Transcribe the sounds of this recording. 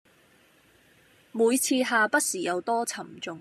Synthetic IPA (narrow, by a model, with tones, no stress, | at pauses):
muː˨˧jt͡sʰiː˧ɦaː˨pɐ˥t̚siː˨˩jɐ˨˧wt̪ɔː˥t͡sʰɐ˨˩mt͡sʊ˨˧ŋ